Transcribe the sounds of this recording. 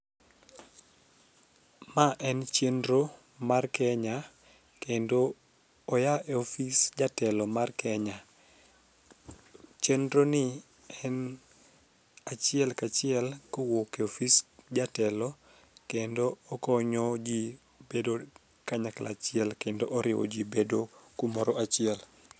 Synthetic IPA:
maʔɛnt͡ʃendɾo | markɛɲa | kendoː | jaʔeofisd͡ʒatɛlɔmarkɛɲa | t͡ʃendɾonɪ | ɛn | at͡ʃɪɛlkat͡ʃɪɛlkɔwokɛofisd͡ʒatɛlɔ | kendoːkɔɲɔd͡ʒi | bedo | kaɲaklʔa̰t͡ʃɪɛlkendoʔɔɾɪwɔ̰d͡ʒibedokumɔɾɔat͡ʃɪɛl

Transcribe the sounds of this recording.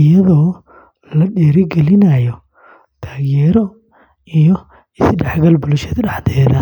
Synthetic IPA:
ɪjɐðɔː | lɐɖɛːɾɪɡɛlɪnɐjɔ | t̪ʰaːɣjɛːɾɔ | ijɔ | ɪsɖɛħɡɐlbʊlʃɛðɖɑħd̪ʰɛːðɐ

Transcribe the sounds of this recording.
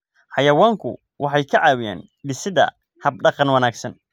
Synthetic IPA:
ħɑjɐwaːŋkʰʊ̰ | wʔɑħɑjkʰɐʕɑːwɪja̰ːn | bɪsɪðɐ̰ | hɐb̚ɖɑqɑnwɐnaːɡsɐn

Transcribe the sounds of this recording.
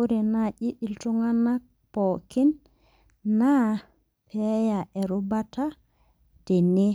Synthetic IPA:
uɾɛnaʔiʔiltuŋanːa | pɔkinː | a | pʰɛjaʔɛɾubatʰa | d̥ɛnːe

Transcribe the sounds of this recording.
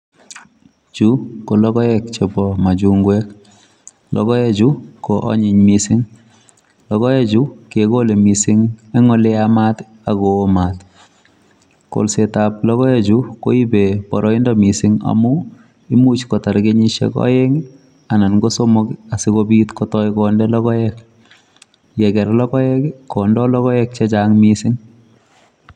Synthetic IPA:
t͡ʃukolɔkɔjɛk̚t͡ʃepɔmad͡ʒuŋɡwɛk | lɔ̰ɣɔjɛt͡ʃukoʔɔ̰ɲɪɲmisɪŋ | lɔɣɔjɛt͡ʃukekolemisɪŋɛŋɔlɛamat | aɣɔːmat | ko̰lsetap̚lɔɣɔɛd͡ʒuko̰ibepɔɾɔindɔmisɪŋa̰mu | imut͡ʃkɔtaɾɡeɲiʃɛ̰kɔ̰jɛŋ | ananɡosomɔkasikobitkɔtɔjkɔndɛlɔkɔjɛk | jɛkɛɾlɔkɔɛkːɔndɔlɔɣɔjɛk̚t͡ʃet͡ʃaŋmisɪŋ

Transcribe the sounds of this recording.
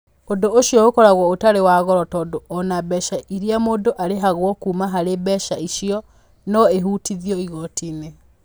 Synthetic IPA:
ondooʃjɔokɔɾaɣwɔotaɾewaːɣɔɾɔtɔːdoʔɔnabɛʃaʔiɾiamoːndoʔaɾeɦaɣwɔkuːmaɦaɾebɛʃaiʃiɔ | nɔeɦuːtiðiɔiɣɔtiːne

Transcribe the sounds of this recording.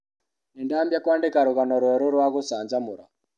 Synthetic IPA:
nendaːmbjakwaːndekaɾoɣanɔɾwɛɾoɾwaɣosaːɲd͡ʒamuɾa

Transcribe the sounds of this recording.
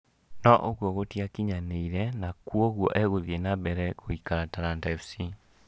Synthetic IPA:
nɔʔoɣwɔɣotiakiɲaneiɾɛnakwoɣwɔ̰ʔɛɣoðienabɛɾɛɣoikaɾataɾantɛfsi

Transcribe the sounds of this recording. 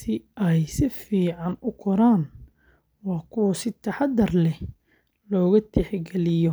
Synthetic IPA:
sɪʔɛjsɪfiːʕɑnʊkʰɔɾaːn | wɑːkʰʊwɐsɪt̪ʰɐħɑd̪ɐrlɛ | lɔːɣɐt̪ʰɛħɡɛlɪjɔ

